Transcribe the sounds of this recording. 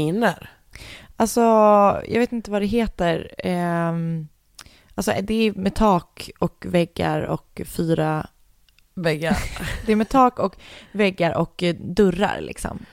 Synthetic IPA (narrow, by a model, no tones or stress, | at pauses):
inəɾ | alsɔjɑ̰ɡveːt̪ɪnt̪əvad̪ɛɦeːt̪əɾ | ʔalsɔd̪ɛæmɛt̪ʰɑːkɔkvɛɡːa̰ɾɔ̰kfyːɾa | vɛɡːaɾd̪ɛæɾmɛt̪ʰɑːkɔkvɛɡːaɾʔɔkd̪ɵɾːa̰ɾlʔɪ̰ksɔ̰m